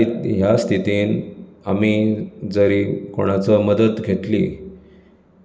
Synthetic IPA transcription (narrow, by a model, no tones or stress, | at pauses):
jast̪ʰit̪iːnamiːd͡zəɾiːkoɽ̃at͡səməd̪ət̪ɡʱet̪lḭ